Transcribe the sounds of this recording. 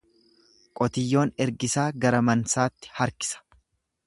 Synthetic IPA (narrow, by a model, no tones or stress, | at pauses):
kʼɔt̪ɪjːo̞ːnɛɾɡɪsaːɡɐɾɐmɐnsaːt̪ːɪ̥hɐɾkɪ̥sɐ̥